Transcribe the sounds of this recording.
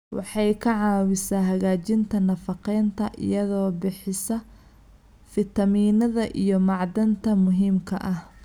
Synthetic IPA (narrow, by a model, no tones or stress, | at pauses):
wɑ̰ħɑjkʰɐʕɑːwɪsaːɦɐɣaːt͡ʃɪnt̪ʰɐnɐfɑqɛjnt̪ʰɐʔɪ̰jɐðɔːbɪħɪsɐ | fɪt̪ɐmiːnɐðɐʔḭjɞmɑʕd̪ɐnt̪ʰɐmʊɦiːmkʰɐʔɐh